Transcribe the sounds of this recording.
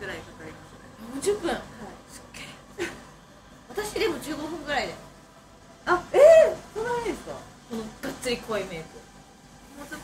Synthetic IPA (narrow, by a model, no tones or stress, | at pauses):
ɯɾaikakaɾʲimasejõɲ̟d͡ʑɨpːɯ̟̃ŋhsɨ̥kːeː | βat̪aɕid̪emo̞d͡ʑɨːɡo̞ɸɯ̟̃ŋɡɯ̟ɾaid̪e | aesonaaid̪esɨ̥ka̰konoɡ̥at͡sːɨɾʲikɯβaime̞ːzo | mos